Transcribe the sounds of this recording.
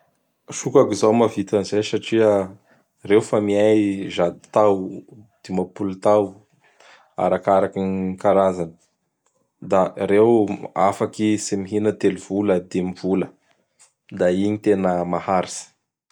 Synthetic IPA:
ʃukakizawmavit̪anizejsaʈ͡ʂiə | rewfamiajʒad̪i̥t̪awd̪̥emapulut̪aw | a̰ɾakaɾakinkaɾazanə | d̪aɾewafakisimiɦinət̪eliv̥uləd̪emv̥ulə | d̪aiɲit̪enəmahaɾisə̥

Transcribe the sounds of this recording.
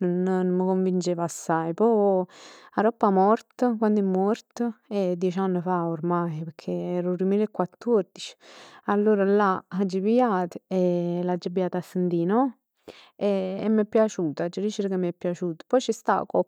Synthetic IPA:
nonnoməkoɱvint͡ʃeːvasːajpɔ | aɾɔpːamɔrt̪əkwand̪ɛmːɔrt̪əɛd̪ːjɛt͡ʃanːəfaoɾmajpeɾkʰeɛːɾuɾumilekːwat̪ːord̪it͡ʃi̥alːoːɾalaad͡ʒːəbiat̪ə̥ɛlad͡ʒəbijaːt̪asːənt̪iːnɔ | ɛɛ̰mːɛpːjat͡ʃuːt̪ad͡ʒəɾit͡ʃiɾəkemːɛpːjat͡ʃuːt̪ə̥pɔjt͡ʃist̪a̰kɔ

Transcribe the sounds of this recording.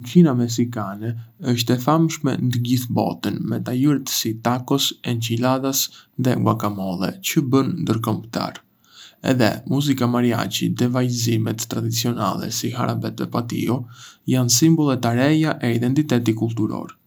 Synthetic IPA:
kʰinamɛs̬ikanɛəʃt̪ɛθamʃmɛ̰nd̪əɟiθbɔ̰t̪ənmɛt̪ajiɾt̪sit̪akɔsɛɲcilaðasðɛɡwakamɔlˠɛ̰t͡ɕəbənnd̪əɾkɔmbt̪a̰ɾ | ɛ̰ðɛ̰muzikamaɾia̰t͡ɕḭd̪ɛvajzimɛt̪ːɾad̪it͡siɔna̰lˠɛ̰sixa̰ɾabɛt̪vɛ̰pat̪ḭɔjans̬imbɔlˠɛt̪aɾɛjaʔɛid̪ɛnt̪it̪ɛt̪ikulˠt̪uɾɔ̰ɾ

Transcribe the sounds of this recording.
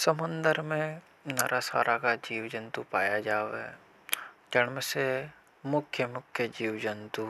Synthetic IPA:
səmʊ̃nd̪əɾmẽ | naɾʔasa̰ːɾʔakad͡ʒiːwd͡ʒə̃nt̪upaːjad͡ʒaːʋɦɛ̰ | d͡ʒəɽmese | mʊkʰjəmʊkʰjəd͡ʒiːwd͡ʒənt̪u

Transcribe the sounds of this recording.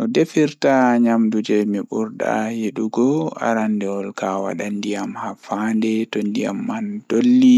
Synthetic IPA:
ʔɔdefiɾtaɲamdud͡ʒɛmiɓuɾda̰heɗuɡɔa̰ɾandɛɔlkawa̰ɗandijamhafandɛtɔndija̰mːand̥olːi

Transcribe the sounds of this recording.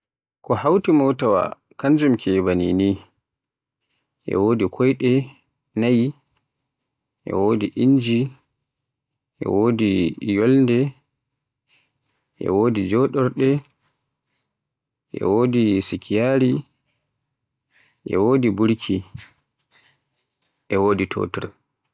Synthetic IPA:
kɔhawtimowtawa̰ | kand͡ʒumkʰɛbanḭni | ʔɛ̰woːdikʰɔjɗɛ | naj | ʔɛ̰woːdiʔiɲd͡ʒi | ʔɛ̰woːdijɔlndɛ | ʔɛ̰woːdid͡ʒɔɗɔɾɗɛ | ʔɛ̰wodisikʰijaːɾi | ʔɛ̰woːdibuɾkʰi | ʔɛwoːditʰo̰ːtɔɾ

